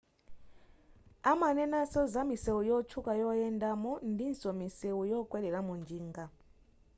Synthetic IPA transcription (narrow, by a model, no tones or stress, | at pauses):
amanɛnasɔzamisɛujɔt͡ʃʰukʼajɔɛndamɔndinsɔmiseujɔkʼwɛlɛɺamund͡ʒiːŋɡa